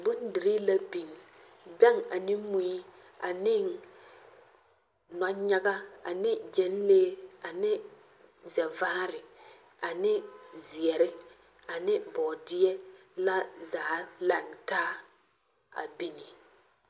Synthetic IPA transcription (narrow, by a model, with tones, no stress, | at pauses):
bʊ˦n˦dɪ˨ɾi˦la˦bi˨n˨ | bɛ˦ŋa˨nɪ˦mu˨i˦ | a˨nɪ˦n˨ | nɔ˨ɲa˦ɡa˦a˨nɪ˦d͡ʒɛ˨n˦leː˦a˨nɪ˦ | zɛ˨vaː˦ɾɪ˨ | a˨nɪ˦zi˨ɛ˨ɾɪ˦ | a˨nɪ˦bɔː˨dɪ˦ɛ˦la˦zaː˨˦la˨ntaː˦ | a̰˨bi˦ni˨